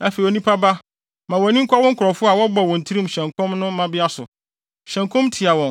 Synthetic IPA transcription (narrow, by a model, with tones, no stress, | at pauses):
ã˨fe˨i˨o˨nĩ˦pʰa˦ba˦ | mã˨wɔ˨nĩ˦ŋ̩˦kʰɔ˦wɔ˦ŋ̩˦kʰɔ˨fʊ˦a˨wɔ˦bɔ˨wɔ̃˨n̩˨tʰi˦ɾĩ˦m˨ɕɛ̃˨ŋkʰɔ̃˦mnʊ̃˦m˦mã˦bɪ˦a˦sʊ̰˨ | ɕɛ̃˨ŋkʰɔ̃˦mtʰɪ˨a˨wɔ̃˨n